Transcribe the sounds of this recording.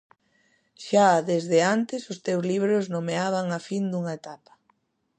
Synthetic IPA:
ʃaðezðeant̪ɪsʊst̪ewzliβɾʊznomeaβ̞aŋafind̪uŋaet̪apɐ̥

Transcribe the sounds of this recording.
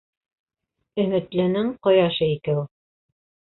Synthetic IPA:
ɵ̆mɘ̆t̪lɘ̆nɘɴqŏjɑʃɤikɘw

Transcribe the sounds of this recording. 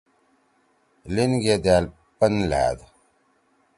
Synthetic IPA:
linɡed̪aːl | pənla̰ːd̪

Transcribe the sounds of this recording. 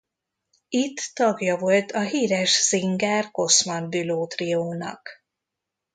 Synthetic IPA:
it̪ːɒɡjɒvo̞lt̪ʰɒɦiːɾɛʒz̥iŋɡaːrko̞smɒnbyloːt̪rioːnɒ̰k

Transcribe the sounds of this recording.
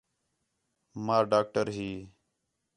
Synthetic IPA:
maːɖaːk̚ʈəɾɦiː

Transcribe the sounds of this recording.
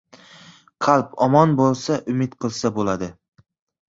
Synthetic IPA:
qʰɑlˠpɒmɒnbolˠsaʔʊmɪt̪qʰɨlˠsabolad̪ɪ

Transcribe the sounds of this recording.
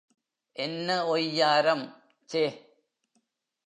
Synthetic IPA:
ʔɛnːɐɔjːaːɾɐm | t͡ʃeː

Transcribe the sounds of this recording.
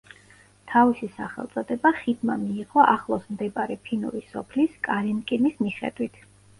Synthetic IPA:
t̪ʰavisisaχɛ̰lˠt̪sʼɔd̪ɛbaχid̪mamiːʁʼɔʔaχlˠɔsmd̪ɛbaɾɛpʰinṵɾisɔpʰliskʼaɾimkʼinismiχɛ̰d̪̥wit̪ʰ

